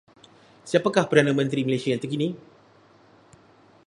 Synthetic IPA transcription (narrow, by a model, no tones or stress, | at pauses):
siapakahpərdanãmə̃nt̪ɾiməlesiajant̪akinĩ